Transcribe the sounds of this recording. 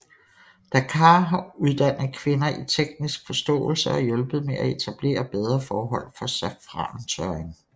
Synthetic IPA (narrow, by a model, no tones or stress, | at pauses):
d̥ækʰɑ̈ɦɑ̈uð̞ˠd̥æn̰ð̩ˠkʰʋe̝nɐʔit͡sʰeɡ̥̚nisɡ̥fɒ̽sd̥ɔ̰̽ːl̩sɐɒ̽jɔ̽lb̥ð̞̩ˠmeʔæe̝t͡sʰæb̥le̝̰ːɐb̥eð̞ˠʁɐfɒːɦɒ̽l̰fɒ̽sæfʁɑ̰̈ːnt͡sʰœɐeŋ